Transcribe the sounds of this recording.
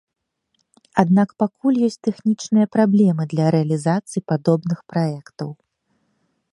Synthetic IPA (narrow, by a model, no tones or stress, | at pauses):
ad̪nakpakulʲjɔsʲt͡sʲt̪ɛxnʲit͡ʂnɨjɐpɾablʲɛmɨd̪lʲɐɾɛɐlʲizat̪sɨjipad̪ɔbnɨxpɾaɛkt̪ɐw